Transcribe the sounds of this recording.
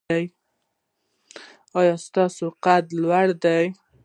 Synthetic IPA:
aj | ɑjɑst̪ɑsoqad̪lwaɽd̪aj

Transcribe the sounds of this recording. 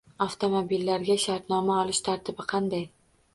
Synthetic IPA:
aft̪ʰo̞mobilːaɾɡʲaʃaɾt̪nɒmaɒlɪʃt̪ʰaɾt̪ʰɪbɪqʰɑnd̪aj

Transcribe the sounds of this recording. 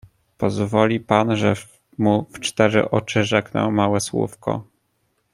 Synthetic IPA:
pɔzvɔlʲipanʐɛ | muft͡ʂt̪ɛʐɘ̰ʔɔt͡ʂɘʐɛknɛ̰wmawɛswṵfkɔ̰

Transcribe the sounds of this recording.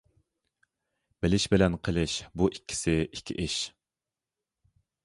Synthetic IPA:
bɪlɪʃbɪlɛnqʰəlˠɪʃbuʔikʲːɪ̥sɪikʲʰːḭʔiʃ

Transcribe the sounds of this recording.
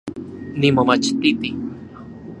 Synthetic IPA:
nimomat͡ʃt̪it̪i

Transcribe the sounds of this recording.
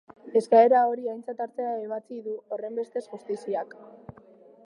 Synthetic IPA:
e̞skae̞ɾao̞ɾiajnt͡sat̪aɾt͡seaeβ̞at͡siðuo̞re̞mbe̞st̪e̞sʝust̪isiak

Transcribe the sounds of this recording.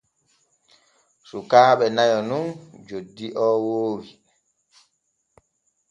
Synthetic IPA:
sukaːɓɛnajɔnund͡ʒodːiʔɔːwoːwi

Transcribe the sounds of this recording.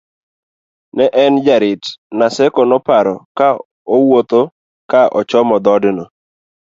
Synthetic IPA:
nɛʔɛnd͡ʒaɾɪtnasɛkɔnɔpaɾɔka | owot̪o | kaʔɔt͡ʃɔmɔd̪ɔdnɔ

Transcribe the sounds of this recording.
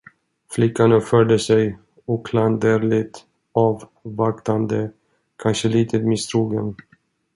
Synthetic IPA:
flɪkːanœpfœɖəsɛj | ɔkʰland̪əɾlɪt̪ | ɑːv | vakt̪and̪ə | kʰanʂəliːt̪ʰət̪mɪst̪ʰɾuːɡən

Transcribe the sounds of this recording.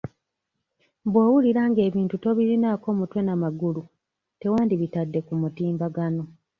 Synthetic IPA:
bweːwuliɾaːŋɡe̞ːβiːntuto̞βiɾinako̞ːmutwe̞namaɡulu | tewaːndiβitadːe̞kumutiːmbaɡano̞

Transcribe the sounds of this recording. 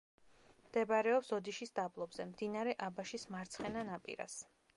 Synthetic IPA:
md̪̥ɛbɾɛɔpsɔd̪iʃisd̪ablˠɔbzɛmd̪inaɾɛʔabaʃismaɾt̪sʰχɛnanapʼḭɾa̰s

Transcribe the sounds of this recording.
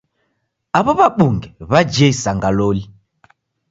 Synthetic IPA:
aβɔβaɓuŋɡɛβad͡ʒeisaŋɡaloli

